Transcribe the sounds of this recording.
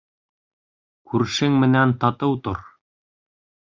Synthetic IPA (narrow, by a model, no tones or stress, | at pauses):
kʰʉɾʃɘŋmɘ̆nænt̪ɑt̪ɤwt̪oɾ